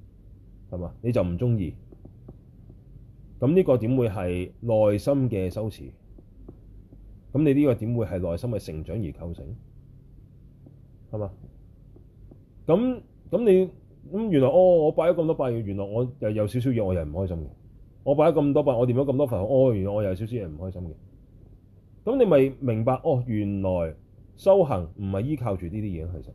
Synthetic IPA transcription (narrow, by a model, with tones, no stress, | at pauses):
hɐ˨maː˧ne˨˧t͡sɐ˨wm̩˨˩t͡sʊ˥ŋjiː˧ | kɐ˨˧˥mniː˥kɔː˧t̪i˨˥mwuː˨˧jɦɐ˨jlɔː˨jsɐ˥mkɛː˧sɐ˥wt͡sʰḭː˨˩ | kɐ˨˥mne˨˧jliː˥kɔː˧t̪iː˨˥mwuː˨˧jhɐ˨jlɔː˨jsɐ˥mkɛː˧sɪ˨˩ŋt͡ʃœ̰ː˨˥ŋjiː˨˩kʰɐ˧wsɪ̰˨˥ŋ | hɐ˨maː˨˧ | kɐ˨˥m | kɐ˨˥mne˨˧j | kɐ˨˥mjy˨nlɔː˨˩jʔɔː˧ŋɔː˨˧paː˧˥jɐ˥wkmt̪ɔː˥paː˧jyː˧jyː˨˩nlɔː˨˩jŋɔː˨˧jɐ˨wjɐ˨˧wsi˨˥ws̬i˨˥wjɛː˨˧ŋɔː˨˧jɐ˨m̩˨˩hɔː˥jsɐ˥mkɛ̰˧ | ŋɔː˨˧p̬aː˧˥jɐ˥kɐ˧mt̪ɔː˥paː˧ŋɔː˨˧t̪iː˨˧˥mjɐ˨˥wkɐ˧mt̪ɔː˥fɐ˨˩nho˨˧˥ʔɔː˧jy˨˩nlɔː˨˩ŋɔː˨jjɐ˨ws̬i˨˥wsi˨˦wjɛ˨˩m̩˨˩hɔː˥jsɐ˥mkɛ˧ | kɐ˨˦˥mne˨˧jmɐ˨jmɪ˨˩ŋpaː˧k̚ʔɔː˧˩jyː˨˩nlɔː˨˩j | sɐ˥wɦɐ˨˩ŋm̩˨˩hɐ˨jːiː˥kʰaː˧wt͡ʃyː˨t̪iː˥t̪iː˥jɛː˨˧˩ŋɦɐ˨jsɐ˥˩